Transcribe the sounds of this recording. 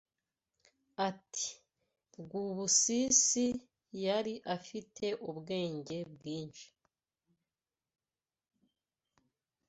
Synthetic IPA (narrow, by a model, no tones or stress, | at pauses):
ati̥ | bɡuβusisi | jaɾiʔafitʰe̞ʔubɡe̞ːɲɟe̞bɡiːɲʃi̥